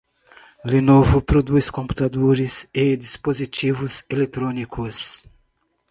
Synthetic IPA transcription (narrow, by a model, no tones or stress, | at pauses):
lenovʊpɾod̪uskõmpu̥t̪ad̪oɾised̪ispozit͡ʃivʊzelet̪ɾonikus